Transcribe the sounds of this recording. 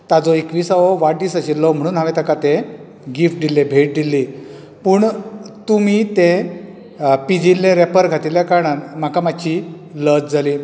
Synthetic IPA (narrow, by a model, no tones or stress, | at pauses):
t̪ad͡zɔekʋiːsaʋoʋaʈ̚d̪iːsəɕilːɔm̤əɽ̃uːnɦaʋẽt̪akat̪ẽ | ɡifʈ̚d̪ilːebʱeʈ̚d̪ilːi | puːɳt̪umiːt̪ẽ | pid͡ʑilːẽɾepəɾɡʱat̪iljakaɾɳanmakamaɕiː | lət͡sd͡zʱaliː